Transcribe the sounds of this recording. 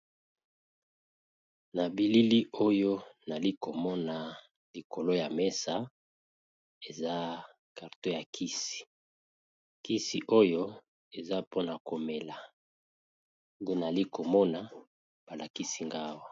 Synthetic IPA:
na˨bi˨li˦li˦o˦jo˦na˨li˦ko˨mɔ˦na˨ | li˨ko˨lo˦ja˨me˦sa˦ | e˨za˦ | ka˨ʁto˦ja˨kʰi˦si̥˨ | ki˦si˨ʔo˦jo˦ | e˨za˦po˦na˨ko˨me˨la˨ | de˦na˨li˦ko˨mɔ˦na˨ | b̥a˨la˨ki˦si˦ŋɡa˦wa˨

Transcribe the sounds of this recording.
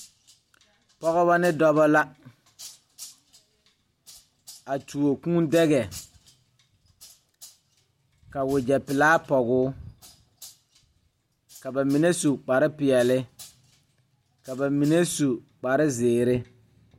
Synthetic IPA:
pɔ˦ɣɔ˦βa˦nɪ˦dɔ˦bɔ˦la˦ | a˨tʰu˨o˨kũ˦ndɛ˦ɣɛ˨ | ka˨wʊ˨d͡ʒɛ˨pɪ˨laː˦pɔ˨ɣʊː˦ | ka˨ba˨mi˨ne˦su˨k͡pa˨ɾɪ˦pɪ˨ɛ˨lɪ˦ | ka˨ba˨mi˨ne˦su˨ | k͡pa˨ɾɪ˦zeː˨ɾɪ˦

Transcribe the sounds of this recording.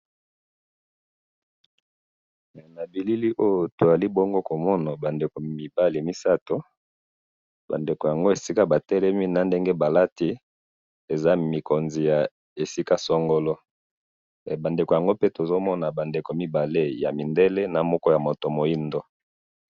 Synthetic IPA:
na˨bi˨li˦li˦ʔo˦jo˨to˨za˨li˦bɔ˦ŋɡo˦ko˨mɔ˦na˨ba˨nde˨ko˨mi˨ba˦li˨mi˦sa˦to˨ | ba̰˨nde˨ko˨ja˨ŋɡo˦e˨si˦ka˦ba˨tɛ˦lɛ˦mi˦na˨nde˦ŋɡe˦ba˨la˦ti˦ | e˨za˦mi˨ko˨nzi˨ja˨ | e˨si˦ka˦sɔ˦ŋɡɔ˦lɔ˦˨ | ba˨nde˨ko˨ja˨ŋɡo˦pe˦to˨zo˦mɔ˦na˨ba˨nde˨ko˨mi˦ba˨le˦ja̰˨mi˨nde˦le˦na˨mɔ˦kɔ˦ja˨mo˨to˨mo˨i˦ndo˦

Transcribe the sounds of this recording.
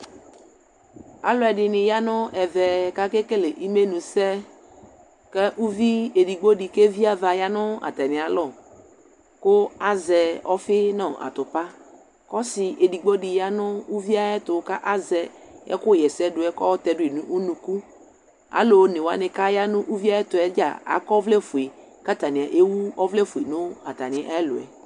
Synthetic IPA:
a̰˨lɔ˨˦ɛ˨dɪ˨nɪ̃˨ja˦nʊ˦ɛ˨vɛ˨ka˦ke˦ke˦lɪ˨ʔi˦me˦nũ˨sɛ˦ | kɛ˦ʔu˦vi˦e˨di˨ɡ͡bɔ˦dɪ˨ke˦vi˦a˦va˨ja˦nʊ˦a̰˨t̪ɛ˨nɪ̃˨a˨lɔ˨ | kʊ˦a˦zɛ˨ɔ˦fɪ˦nɔ̃˦˨ʔa̰˨t̪ʊ˨pa˦ | kɔ˦sɪ˨ʔe˨di˨ɡ͡bɔ˦dɪ˨ja˦nʊ̃˦u˦vi˦a˦ɛ˦t̪ʊ˨˦ka˦ʔa˦zɛ˨ɛ̰˦kʊ˦˨jɛ˨sɛ˦dʊ˨˦ɛ˦kɔ˦ɔ˦t̪ɛ˨dʊ˦e˨nũ˦ʔu˦nũ˨ku˦ | a̰˨˦lo˨˦nɪ˨wa̰˨˦nɪ̃˨ka˦ja˦nʊ̃˦ʔu˦vi˦a˦ɛ˦t̪ʊ˨ɛ˦d͡ʒa̰˨a̰˨kɔ˦vlɛ˦fu˨e˨ | ka˦t̪a˨nɪ̃˨a˨ʔe˦wu˦ɔ˦vlɛ˦fu˨e˨nʊ̃˦a˨t̪a˨nɪ̃˨ʔa˦ɛ˦lʊ̰˨ɛ̰˨

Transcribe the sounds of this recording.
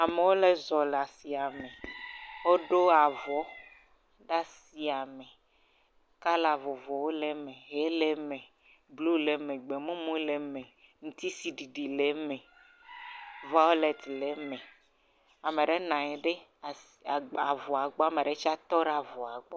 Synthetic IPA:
a˨me˨wo˦le˦zɔ˨la˨si˨a˨me˨wo˦ɖo˦a˨vɔ˨˦ | ɖa˦si˨a˨me˨ | ka˦la˨vɔ˨vɔ˨wo˦le˦mẽ˨ɦe˦le˦mẽ˨ | blu˦le˨mẽ˨ɡ͡be˨mũ˦mũ˦le˨mẽ˨ | ŋũ˦t̪i˦si˨ɖi˨ɖi˨le˨˦mẽ˨ | va˦wo˦le˨t̪le˨˦mẽ˨ | a˨me˨ɖe˦nã˨ɲ˨ɖe˦˨ | a˨vɔ˨a˨ɡ͡bɔ˦a˦˨me˨ɖe˦t͡ʃi˦a˦t̪ɔ˦ɖa˨vɔ˨a˨ɡ͡bɔ˦

